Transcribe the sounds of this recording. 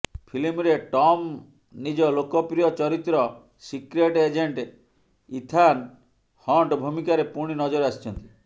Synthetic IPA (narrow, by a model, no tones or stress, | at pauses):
pʰilimɾeʈɔm | nid͡ʒɔlokɔpɾijɔt͡ʃɔɾit̪ɾɔ | sikɾeʈed͡ʒeɳʈe | it̪ʰan | hɔɳʈbʱumikaɾepuɽ̃inɔd͡ʒɔɾasi̥t͡ʃʰɔnt̪i̥